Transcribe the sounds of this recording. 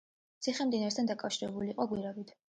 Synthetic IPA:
t̪sʰiχɛmd̪inaɾst̪ʰand̪akʼafʃiɾɛbuliːqʼɔɡwiɾaɡit̪ʰ

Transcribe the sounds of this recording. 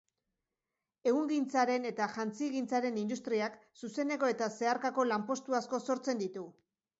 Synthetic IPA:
e̞ɣuŋɡint͡saɾe̞ne̞t̪aʝant͡siɣint͡saɾe̞nind̪ust̪ɾiaksuse̞ne̞ko̞e̞t̪ase̞aɾkako̞lampo̞st̪uasko̞so̞ɾt͡se̞nd̪it̪u

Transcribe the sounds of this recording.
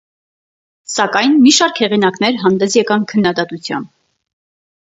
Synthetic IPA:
sɑkɑjnmiʃɑɾkhɛʁinɑkn̪ɛɾɦɑnd̪ɛsjɛkɑnkʰənːɑd̪ɑt̪ut͡sʰjɑ̰mb

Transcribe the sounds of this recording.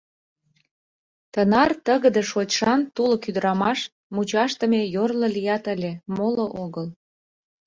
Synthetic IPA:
t̪ənɑrt̪əɣə̆d̪eʃot͡ɕʃɑnt̪ulŏkyd̪əɾɑmɑʃ | mut͡ɕɑʃt̪ə̆mejorlə̆lijɑt̪əlʲemoloʔoɣəl

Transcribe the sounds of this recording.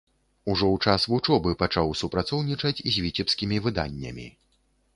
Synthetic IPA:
uʐɔwt͡ʂasvut͡ʂɔbɨpat͡ʂawsupɾat̪sɔwnʲit͡ʂɐt͡sʲizʲvʲit͡sʲɛpskʲimʲivɨd̪a̰nʲːɐ̰mʲḭ

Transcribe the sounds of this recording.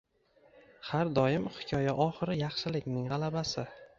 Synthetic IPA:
haɾd̪ɒjɪmhɪ̥kʲʰɒjaʔɒχɪɾɪjɑχʃɪlɪkʲnɪŋʁɑlˠabasɪ

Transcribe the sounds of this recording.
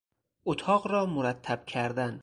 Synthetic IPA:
ot̪ʰɒqɾɒmʊɾat̪ʰːab̥kʲʰaɾd̪an

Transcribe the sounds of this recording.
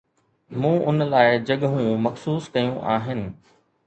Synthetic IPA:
mũːʔʊnlaːɪd͡ʑɐɠɦũːjũmɐxsuːskɐjũʔaːɦɪnɪ̆

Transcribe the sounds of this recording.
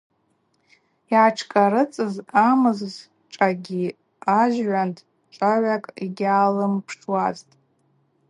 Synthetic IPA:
iaʈ͡ʂʰkʼaɾɨt͡sʼɨzamɨzz | ʈ͡ʂʼaɡʲi | aʒɥantʰ | ʈ͡ʂʼaʕʷakʼiɡʲaːlɨmpʰʂʈ͡ʂʰwaztʼ

